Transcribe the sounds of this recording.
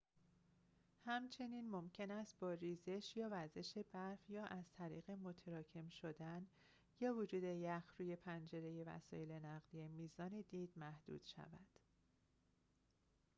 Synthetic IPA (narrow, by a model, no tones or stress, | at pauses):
hæmt͡ʃʰe̞niːnmo̞mcʰe̞næst̪̚bɒːɾiːze̞ʃjɒːvæɾze̞ʃe̞bæɾfjɒːʔæzt̪ʰæɾḭːɣe̞mot̪ʰeɾɒːcʰe̞mʃo̞d̪æn | jɒːvod͡ʒuːd̪e̞jæxɾuːje̞pʰænd͡ʒe̞ɾe̞je̞væ̰sɒ̰ːje̞le̞næɣd̪ijemiːzɒːned̪iːd̪̥mæhd̪̥ṵːd̪̥ʃæ̰væ̰d̪̥